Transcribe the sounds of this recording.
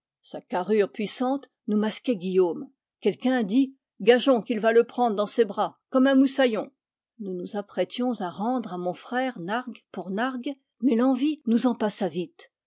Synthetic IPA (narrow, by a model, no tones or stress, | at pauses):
sakaʁyʁpɥisɑ̃t̪ | numaskʲɛɡʲijom | kʲɛlkʲɛ̃d̪i | ɡaʒɔ̃kilvaləpχɑ̃d̪ʁd̪ɑ̃sebʁakɔmɛ̃musajɔ̃ | nunuzapχɛt̪jɔ̃zaʁɑ̃d̪ʁamɔ̃fχɛʁnaʁɡpuʁnaʁɡ | mɛlɑ̃vinuzɑ̃pasavit̪